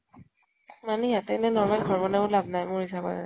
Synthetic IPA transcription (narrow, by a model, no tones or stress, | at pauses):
manɛjatɛnɛnɔɹmalɡʱɔɹbɔnɛʊlabʱnajmʊɹhisakɔ̰za̰